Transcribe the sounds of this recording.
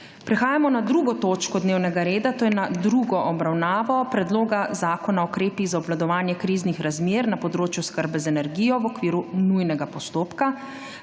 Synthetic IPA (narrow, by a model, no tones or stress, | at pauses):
pɾɛxaːjamɔnad̪ɾuːɡɔt̪oːt͡ʃkɔd̪neːwnɛɡaɾeːd̪at̪oːjɛnad̪ɾuɡɔʔɔbɾawnaːʋɔpɾɛd̪loːɡazaːkɔnaɔkɾeːpiɣzaɔblad̪ɔʋaːnjɛkɾiznixɾazmeːɾnapɔd̪ɾoːt͡ʃjuskəɾbɛzɛnɛɾɡiːjɔʋɔkʋiːɾunujnɛɡapɔst̪oːpka